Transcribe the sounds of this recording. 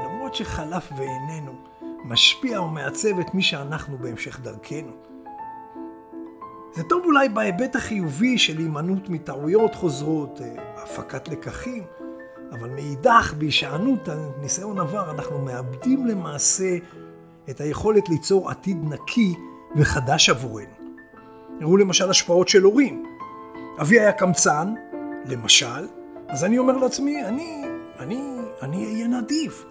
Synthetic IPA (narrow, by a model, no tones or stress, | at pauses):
lamʁo̞tʃe̞χalafveːne̞nu | maʃpiaome̞at͡se̞ve̞tmiʃeanaχnube̞emʃe̞χdaʁkʰe̞nu | zeto̞vulajbae̞be̞taχijuviʃe̞limanutmitaʕujo̞tχo̞zʁo̞tafakatle̞kaχim | avalmeidaχbeiʃaanutanisajonavaʁanaχnume̞abdimle̞maːse̞ | eːthajeχo̞le̞tlit͡so̞ʁa̰tidnakʰi | veχadaʃavuʁe̞nu | iʁule̞maʃalaʃpao̞tʃe̞lo̞ʁim | aviajakamt͡sanle̞maʃalazanio̞me̞ʁleat͡smiani | anianiajenadiv